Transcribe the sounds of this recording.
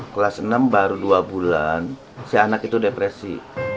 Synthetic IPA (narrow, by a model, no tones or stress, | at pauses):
kəlasənambaɾuduabulan | sianakit̪udepɾesḭ